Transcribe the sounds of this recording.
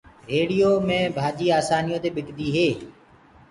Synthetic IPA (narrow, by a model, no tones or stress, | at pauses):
ɾeːɽijoːmẽːbʱaːd͡ʒiːaːsaːnijõːt̪eːɓɪkd̪iːɦeː